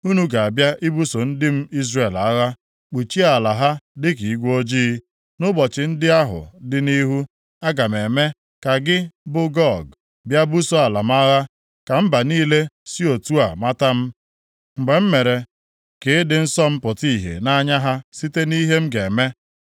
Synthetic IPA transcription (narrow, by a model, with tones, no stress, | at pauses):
u˦nu˦ɡa˨a˨bja˦ʔi˦bu˦so˨n̩˦dɪ˦m̩˦i˦zre˨la˦ɣa˦ | k͡pu˨t͡ʃi˦a˨la˨ɦa˦dɪ˦k̬i˨˦ɡʷo˦d͡ʒiː˦ | nʊ˦bɔ˨t͡ʃɪ˨n̩˦dɪ˦a˦ɦʊ̰˨dɪ˦ni˦ɦu˦ | a˦ɡa˨me˨me˦ | ka˨ɡɪ˦bʊ˦ɡɔ˦˨ɡ | bja˦bu˦so˦a˨la˨m˦a˦ɣa˦ | ka˨m̩˦ba˨niː˦le˦si˦o˨tu˦a˨ma˦ta˦m̩˦ | ŋ͡m̩˨ɡ͡be˨m̩˦me˨ɾe˨ | kɪ˨˦dɪ˨n̩˦sɔ˦m̩˦pʊ˨ti˦˨ɦḛ˨na˦ɲa˦ɦa˦si˦te˦ni˦ɦe˦m̩˦ɡe˨me˦